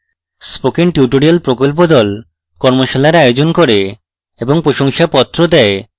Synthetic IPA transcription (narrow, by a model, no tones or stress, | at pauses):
spokiŋʈiʈoɾialpɾokolp̬od̪ɔl | kɔɾmoʃalaɾajod͡ʑonkoɾe | eboŋpɾoʃoŋʃapɔt̪ːɾod̪ɛe